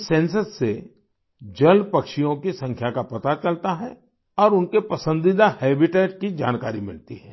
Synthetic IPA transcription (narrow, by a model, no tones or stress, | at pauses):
sɛ̃ːnsəsːe | d͡ʒɐlpɐkʃijõkisɐ̃ŋkʰjakapɐt̪at͡ʃɐlt̪aɦɛ | ɔːɾʊnkepɐsə̃nd̪id̪ahɛːbɪʈeːʈkid͡ʒa̰ːnkaːɾimɪ̰lt̪iɦɛː